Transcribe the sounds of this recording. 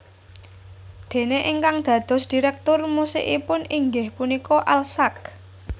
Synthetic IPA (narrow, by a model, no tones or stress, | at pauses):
d̪̥e̤neʔiŋkaŋd̪̥ä̤d̪̥ɔ̤sd̪̥i̤ɾɛk̚t̪ʊrmusɪ̰ʔipʊniŋɡɪhpunikɔʔalsak̚